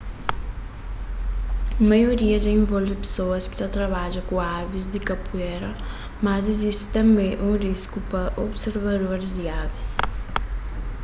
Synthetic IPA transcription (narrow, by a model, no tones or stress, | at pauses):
majoɾiɐd̪ɪẽvɔlvɪpe̥soɐskɪ̥tat̪ɾɐβaʒɐkũavizd̪ɪkɐpuɛɾɐ | mɐzizist̪ɪ̥t̪ɐ̃mbẽʔũriskupɐʔobseɾvɐd̪oɾɪzd̪iavis